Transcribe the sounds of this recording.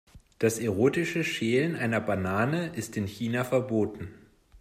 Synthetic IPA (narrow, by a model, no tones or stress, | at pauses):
d̥asʔɛʁoːtɪʃəʃeːlənʔaɪnɐbanaːnəʔɪstɪnçiːnafɛɐboːtn̩